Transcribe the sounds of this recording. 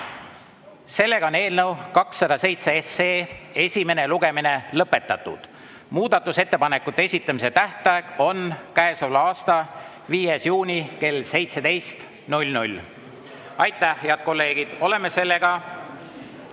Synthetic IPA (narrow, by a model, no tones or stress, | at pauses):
se̞lːe̞ɡ̥ɑone̞ːlnəwkɑksːɑd̪ɑse̞jt̪seeseːe̞sʲime̞ne̞luɡ̥e̞mine̞lɤpːˑe̞t̪ːˑɑt̪ːˑṵd̪̥ | muːd̪̥ɑt̪ːˑuse̞t̪ːe̞pɑne̞kːˑut̪ːˑee̞sʲit̪ːˑɑmise̞t̪æht̪ˑɑeɡ̥o̞nkæesolɑːst̪ɑ | viːjesjuːnʲike̞lːse̞jt̪se̞d̪e̞jst̪ | nulʲnulʲ | ɑjt̪ːˑæheɑd̪̥̚ko̞lːe̞ːɡ̥id̪̥o̞le̞me̞se̞lːe̞ɡ̥ɑ